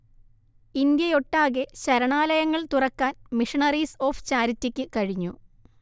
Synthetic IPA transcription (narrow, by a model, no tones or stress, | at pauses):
ind̪jɐjoʈːaːɣeɕɐɾɐɳaːlɐjɐŋːɐɭt̪urɐkːaːnmiʂɐɳɐriːso̞ːft͡ɕaːɾitːikʲːɨkɐɻiɲːṵ